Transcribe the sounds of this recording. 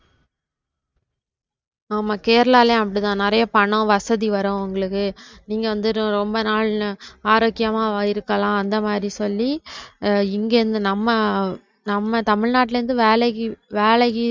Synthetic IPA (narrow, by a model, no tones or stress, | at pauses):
aːmaːkeːɾlaːlẽɐpːɐɽit̪ãːnɪɾɐjɐpɐɳõʋɐsɐðiʋɐɾõʊŋɡɐɭɯkːɯniːŋɡɐʋɐnd̪ɯɾõɾɔmbɐnaːɭnɯaːɾoːkːɪjɐmaːɪɾɯkːɐlãːɐnd̪ɐmaːd̪ɾisɔlːi | ɪŋɡeːɾɯnd̪ɯnɐmːɐ | nɐmːɐt̪ɐmɪɻnaːʈ̬ːɪlɐɾɯnd̪ɯʋeːlɐɣiʋeːɭɐɣi